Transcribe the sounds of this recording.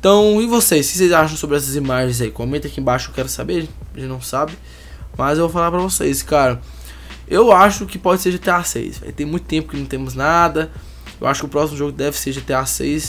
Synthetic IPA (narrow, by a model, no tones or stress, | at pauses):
ẽt̪ɐ̃w̃ɪvosejskɪ̥s̬ejzaʃɐ̃w̃sobɾɪɛs̬ɐzimaʒẽj̃zaikõmẽt̪ẽɐkiẽbaʃʊewkɛɾʊsabeɾɐʒẽt͡ʃʒẽt͡ʃnɐ̃w̃sabɪ | mɐzewvowfalaɾpɾɐvosejskaɾɐ | ewaʃʊkɪpɔd͡ʒɪseɾd͡ʒɪt̪easḛjsvɛ̰jt̪ẽj̃mũj̃t̪ʊ̥t̪ẽmpʊkɪnɐ̃w̃t̪ẽmʊznad̪ɐ | ewʔaʃʊ̥kɪʊpɾɔsimʊʒoɡʊd̪ɛvɪseɾd͡ʒɪt̪easḛjs